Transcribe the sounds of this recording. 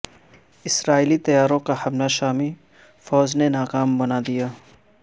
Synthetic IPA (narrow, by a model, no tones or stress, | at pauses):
ɪsɾaːiːlit̪ɐjaːɾõkahɐmlaʃaːmi | fɔːznenaːkaːmbɐnad̪ijaː